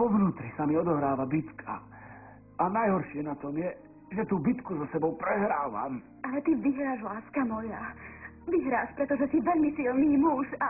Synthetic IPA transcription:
ɔʋnuːt̪ɾisamiɔd̪ɔɦɾaːʋabit̪kʰa̰ | anajɦɔɾʃɪɛnat̪ɔmjɛ | ʒɛt̪uːbit̪kuzɔsɛbɔʊpɾɛɦɾaːʋa̰m | ʔalɛt̪iʋiɦɾaːʒʋlaːskamɔja | ʋiɦɾaːʃpɾɛt̪ɔʒɛsiʋɛʎmisilniːmuʃa

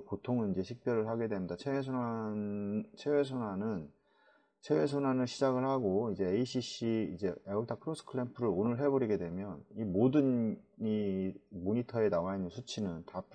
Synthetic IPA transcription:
potʰoŋɯnid͡ʑe̞ɕʰik̚p͈jʌɾɯɭɦaɡe̞dwemɲidat͡ɕʰees̬ʰona | t͡ɕʰewe̞s̬ʰonwanɯn | t͡ɕʰewe̞sʰonwanɯɭɕʰid͡ʑaɡɯɭhaɡoid͡ʑe̞ːiɕʰiɕiːd͡ʑe̞euɭtʰapʰɯɾos͈ʰɯ̥kʰɯɾempʰɯɾɯɭonɯɭɦe̞bʌɾiɡe̞dwe̞mjʌnimodɯnimoɲitʰʌe̞nawainnsʰut͡ɕʰinɯntapʰ

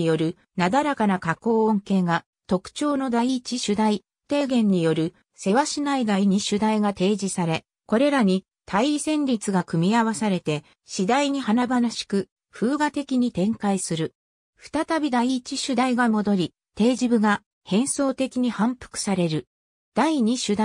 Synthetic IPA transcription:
jo̞ɾɯ̟ | nad̪aɾakanakako̞ːõŋke̞ːɡa | t̪o̞kɯ̟̥t͡ɕo̞ːno̞d̪aiːt͡ɕiɕɨd̪ai | t̪e̞ːɡẽ̞ɲ̟ːijo̞ɾɯ̟ | se̞βaɕinaiɡ̪aiɲ̟iɕɨd̪aiɡat̪e̞ːʑisaɾe̞ | ko̞ɾe̞ɾaɲ̟i | t̪ʰaiːsẽ̞ɲʲɾʲit͡sɨɡakɯ̟mʲiaβasaɾe̞t̪e̞ | ɕid̪aiɲ̟ihanabanaɕi̥kɯ̟ | ɸɯːɡat̪e̞kʲiɲ̟it̪ẽ̞ŋkaisɨɾɯ̟ | ɸɯ̟̥t̪at̪abʲid̪aiːt͡ɕiɕɨd̪aiɡamo̞d̪o̞ɾʲi | t̪e̞ːʑibɯ̟ɡa | hẽ̞ɰ̃so̞ːt̪e̞kʲiɲ̟ihãmpɯ̟̥kɯ̟̥saɾe̞ɾɯ̟ | d̪̥aiɲ̟iɕɨd̪a

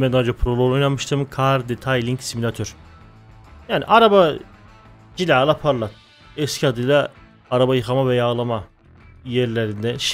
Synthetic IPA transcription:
mɛd̪ad͡ʒapʰɾolˠoojnanmɯʃt̪ʰɯmkʰaɾd̪et̪ʰajlʲiɲcsimilʲat̪ʰøɾ̥ | jaːnḭʔaɾaba | d͡ʒilʲaːlˠapʰaɾlˠak̚ | ɛscʲʰiad̪ɯjlˠaː | ɾabajɯxʰamavɛjaːlˠama | jɛɾlʲeɾind̪ɛʃ

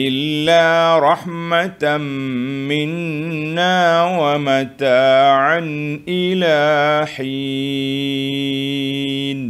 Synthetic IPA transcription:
ʔɪlːaːɾˤɑħmat̪ | mɪnːaːwamat̪aːʕanʔɪlaːħi | d̪

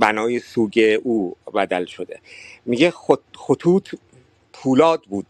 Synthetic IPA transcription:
bænɒːjesuːɟeʔuːbæd̪ælʃod̪emiɟexoxot̪ʰuːt̪ʰ | pʰuːlɒːd̪̚buːd̪̥

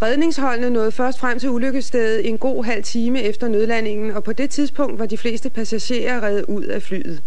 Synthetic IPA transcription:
ʁɛð̞ˠne̝ŋsɦɒ̽l̰nənɔ̽ːð̞̩ˠfɶɐsd̥fʁam̰t͡sʰe̝luløɡ̥əsd̥eðð̩ˠe̝nɡ̥o̝̰ːɦæl̰t͡sʰiːməefd̥ɐnøð̞ˠlæne̝ŋn̩ɒ̽pʰɒ̽d̥e̝t͡sʰiðˠsb̥ʰɔ̽ŋ̰d̥ʋɑ̈d̥ifle̝̰ːsd̥əpʰæsæɕe̝̰ːɐʁɛðˠuð̞̰ˠæfly̰ːð̞̩ˠ

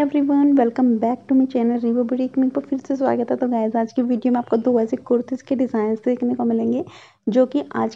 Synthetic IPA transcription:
ɛʋɾiʋənʋɛlkə̃mbɛːk̚ʈumit͡ʃɛːnəlɾiʋəbɪʈikmĩpɐfɪɾses̬ʋa̰ːɡɛt̪at̪oɡaːɪzaːd͡ʒkiʋiːɖijomẽaːp̚kod̪oːʋaːsekɔɾt̪ʰɪskeɖɪzaːɪnst̪eeːkʰnekomɪlẽːŋɡeː | d͡ʒoːkiʔa̰ːd͡ʒ

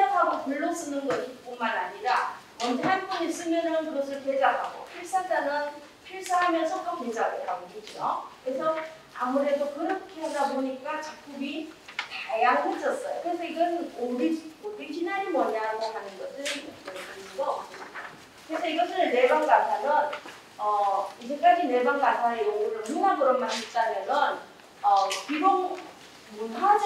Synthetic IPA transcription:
eakʰaɡopuɭːos͈ɯnɯnɡʌɕʰip͈omanaɲiɾa | ʌntʰanpʌnis͈ɯmjʌnɯnkɯɡʌs̬ʰɯɭted͡ʑakʰaɡo̰pʰiɭs͈ad͡ʑanɯn | pʰiɭs͈aɦamjʌnsʰʌk͈ʰaked͡ʑaɡeɾaɡokid͡ʑo̰kɯɾe̞sʰʌ | amuɾe̞dokɯɾʌkʰadaboɲik͈at͡ɕak̚k͈ubitajaŋɦod͡ʑʌs͈ʌjo̰kɯɾe̞s̬ʰʌiɡʌnobid͡ʑoɡiɕʰinaɾimʌɲaɡoɦanɯnɡʌsʰɯɭmokt͈otɯɾinuɡʌːp̚s͈ɯɲida | kɯɾe̞sʰʌiɡʌt͈ɯɾene̞baŋɡasʰanɯn | ʌid͡ʑek͈ad͡ʑine̞baŋɡasʰaejoɡɯɾɯɭnuɦamɯɾʌmanit͡ɕ͈amenʌn | ʌkiboŋ | muntʰad͡ʑ

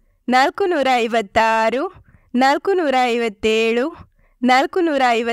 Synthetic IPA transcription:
naːlkunuːɾaɐjʋɐt̪ːaːɾu | naːlkunuːɾaɐjʋɐt̪ːeːɭu | naːlkunuːɾaːjʋɐ

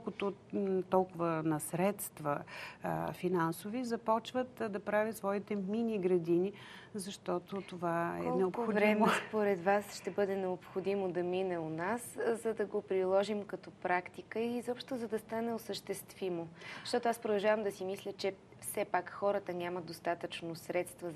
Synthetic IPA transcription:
ɔlˠkʊt̪ot̪ɔlˠkʊvənɐsɾɛt̪st̪və | finansovizɐpɔt͡ʃvət̪d̪ɐpɾavʲət̪svɔit̪ɛminʲiɡɾɐd̪ini | zɐʃt̪ɔt̪ot̪ovaɛ̰nɛopxovɾɛmspoɾɛt̪vasʃt̪ɛbɤd̪ɛnɛopxod̪imod̪ɐminɛʊnaszɐd̪ɐɡopɾilˠɔʒimkɐt̪ɔpɾakt̪ikəizɔpʃt̪ʊzɐd̪ɐst̪anɛosəʃt̪ɛst̪vimozʃt̪ɔt̪oʊaspɾod̪ɐlˠʒavəmd̪ɐsimislʲət͡ʃɛ | fsɛpakxɔɾət̪ənʲaməd̪d̪ost̪at̪ət͡ʃnosɾɛt̪st̪və

